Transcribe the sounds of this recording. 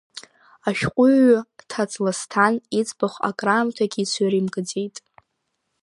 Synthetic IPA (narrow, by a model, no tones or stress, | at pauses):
aʃᶣqʷʼʊɥtʰat͡sʼlastʰanit͡sʼbaχʷa̰kʼraːmtʰaɡʲit͡sʷʰaɾimkʼɨd͡zejtʼ